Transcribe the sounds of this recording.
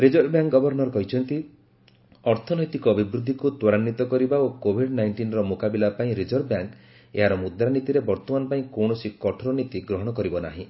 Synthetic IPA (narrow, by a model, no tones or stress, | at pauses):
ɾid͡ʒɔɾbjaŋkɡɔbʱɔɾnɔɾɔkɔɦit͡ʃʰɔnt̪i | ɔɾt̪ʰɔnɔjt̪ikɔːbibɾud̪ʱːikut̪wɔɾanːit̪ɔkɔɾibaokobʱiɖnajɳʈinɔɾɔmokabilapaĩɾid͡ʒɔɾbjaŋk | ḛɦaɾɔmud̪ɾanit̪iɾebɔɾt̪ɔmanɔpaĩkowɳɔsikɔʈʰɔɾɔnit̪iɡɾɔɦɔɽ̃ɔkɔɾibɔna̰ɦĩ